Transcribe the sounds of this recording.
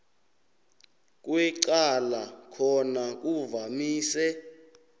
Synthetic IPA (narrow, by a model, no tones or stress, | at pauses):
k̬ʼwɛǀalakʰɔnak̬uvamiːsɛ